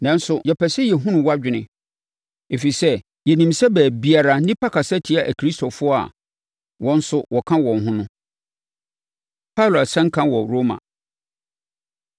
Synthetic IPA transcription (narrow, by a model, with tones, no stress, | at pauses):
nã˨n̩˦sʊ˨jɛ˨pʰɛ˨sɛ˦jɛ˨ɦũ˦nʊ̃˨wa˦d͡ʑᶣɪ˨nɪ̃˦ | e˨fi˨sɛ˦ | jɛ˨nĩ˨msɛ˦bæː˨bi˦a˨ɾa˨nĩ˦pʰa˦kʰa˨sɛ˦tʰi˨a˦˨ʔæ˨kʰɾi˦stʰo˨fʊ˦ɔ˦a̰˨ | wɔ̃˦n̩˦sʊ˦wʔɔ˨kʰã˦wɔ̃˨nɦʊ̃˦nʊ̃˦ | pʰa˦˨lo˨a˨sɛ̃˦ŋ̩˦kʰã˦wɔ˨ɾo˦mã̰˨